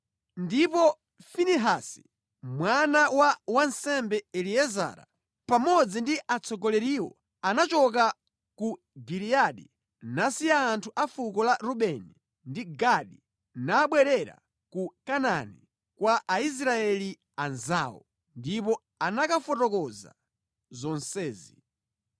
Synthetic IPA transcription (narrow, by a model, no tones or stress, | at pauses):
ndipɔ | finiɦasi̥̰ | mwanawawansɛmbɛɛliɛza̰ːɾa̰ | pamɔd͡zindiʔat͡sɔɡɔlɛɾiːwɔ̰ | anat͡ʃɔk̬a | ku | ɡiɾiaɗi | nasiaːntʰuʔafukɔlaɾuɓɛni | ndiɡaɗi | naːɓwɛɾɛɾa̰ | kukanani | kwaʔais̬ɾaɛli | anzaːwɔ̰ | ndipɔ | anakafɔtɔkɔza̰ | zɔnsɛːzi